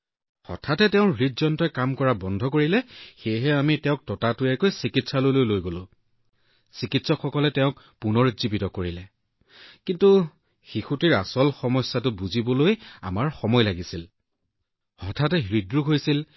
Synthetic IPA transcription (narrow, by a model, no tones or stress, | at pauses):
xɔ̰tʰatɛtɛʊ̃ɹitzɔntɔjkamkɔɹabɔndʱɔkoɹilɛxejɦɛamitɛʊ̃k̚tɔtatʊɛkojsikitsalojlojlojɡolʊ̃ | sikitsɔkxɔkɔlɛtɛʊ̃k | punɔɹzibitɔkoɹilɛ | kintu | xixutiɹa̰sɔlxɔmɔsatʊbuzibɔloja̰maɹxɔmɔjlaɡisil | hɔtʰat̬ɛɦɹidɹuɦojsil